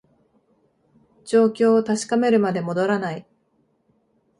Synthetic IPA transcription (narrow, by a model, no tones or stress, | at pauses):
d͡ʑo̞ːkʲo̞ːt̪aɕi̥kame̞ɾɯ̟mad̪e̞mo̞d̪o̞ɾanai